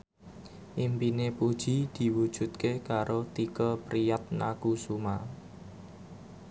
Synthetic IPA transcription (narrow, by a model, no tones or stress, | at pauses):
ʔimpinepud̥ʒ̥i̤d̪̥i̤wud̥ʒ̥ṳt̪̚kekaɾot̪ikəpɾijat̪̚na̰kusuma